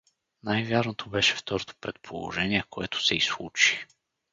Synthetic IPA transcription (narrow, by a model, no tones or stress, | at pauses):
najvʲjaɾnot̪obɛʃɛ̥ft̪ɔɾot̪o̥pɾɛt̪̚pʰolˠo̰ʒɛniɛkoɛt̪ʊ̥sɛislˠut͡ʃi̥